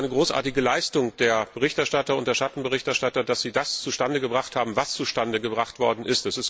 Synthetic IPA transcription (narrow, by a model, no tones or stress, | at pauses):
ɪnəɡʁoːsʔa̰ːɐtɪɡəlaɪstʊŋd̥eːɐb̥əʁɪçtɛɐʃtatɐʊntd̥eɐʃatn̩bəʁɪçtɛɐʃtatɐd̥asz̥iːdast͡suʃtandəɡəbʁaχthaːbm̩vast͡suʃtandəɡəbʁaχtv̥ɔɐdn̩ʔɪstɛsɪst